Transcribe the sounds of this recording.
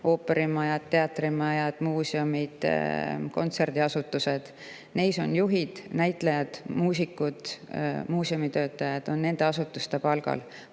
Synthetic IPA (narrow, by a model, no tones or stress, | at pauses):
o̞ːpːˑe̞ɾimɑjɑd̪̥̚t̪ːe̞ɑt̪ːrimɑjɑd̪̥muːseomid̪̥ko̞̰nt̪se̞rd̪̥iɑsut̪ːˑuse̞d̪̥ | nejso̞̰njuɦid̪̥næjt̪ˑlejɑd̪̥muːsikːud̪̥muːseomit̪ø̞ːt̪ːˑɑjɑd̪̥o̞nːe̞nd̪̥e̞ɑsut̪ːˑust̪e̞pɑlɡ̥ɑ̰l